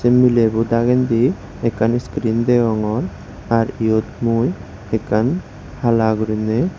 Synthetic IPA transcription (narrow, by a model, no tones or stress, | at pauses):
semilebud̪aɡɛnd̪i | ɛkaniskɾind̪ɛwɔŋɔɾ | aɾijot̪muj | ɛkan | halaɡuɾinɛ